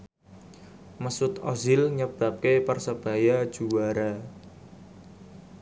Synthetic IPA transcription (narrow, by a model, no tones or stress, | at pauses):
məsʊt̪ɔzɪlɲəb̥a̤p̚kepərsəb̥a̤jad̥ʒ̥uwaɾa